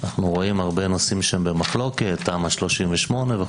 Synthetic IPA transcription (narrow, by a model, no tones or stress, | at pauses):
naχnuʁo̞imhaʁbenosimʃeembemaχlo̞ke̞t̪̚ːaːmhaʃlo̞ʃimveʃmo̞neve